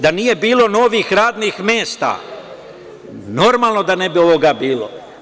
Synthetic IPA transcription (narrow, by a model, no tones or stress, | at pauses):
d̪anije̞biːlˠo̞no̞ːʋiːxɾaːd̪niːxmjeːst̪a̰ː | no̞ɾmaːlˠno̞d̪anebio̞ʋoɡaːbiːlo̰